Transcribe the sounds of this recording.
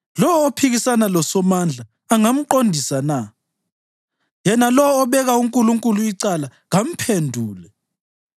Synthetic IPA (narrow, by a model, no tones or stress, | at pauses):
lɔwɔːpʰiɣisanalɔsɔmand͡ɮʱaː | ŋam̩ǃondʱisana | jɛnalɔwɔːβɛɣauŋkʼuluŋkʼuluiǀalaɣam̩pʰendʱuːlɛ